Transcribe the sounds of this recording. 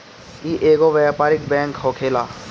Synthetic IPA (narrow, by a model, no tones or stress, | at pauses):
iːʔeːɡoʋɛːpaːɾɪk̚bɛ̃ːŋkɦoːkʰeːlaː